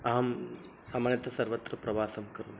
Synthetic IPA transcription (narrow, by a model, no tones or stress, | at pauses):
aːm | saːmaːnɐt̪ɐsɐɾʋɐt̪ɾɐpɾɐʋaːsɐmkɐɾum